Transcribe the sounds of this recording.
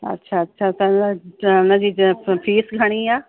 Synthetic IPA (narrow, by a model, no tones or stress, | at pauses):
ɐ̰tːʃʰaːɐtːʃʰat̪ɐnanãd͡ʒipʰiːsɡʱəɽ̃iaː